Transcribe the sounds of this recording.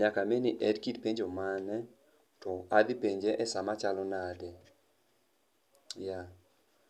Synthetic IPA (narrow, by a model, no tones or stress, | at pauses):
ɲakamenɪʔɛdkitpeɲd͡ʒomanɛ | tɔad̪ɪpeɲd͡ʒeʔɛsamat͡ʃalɔnadɛ | ja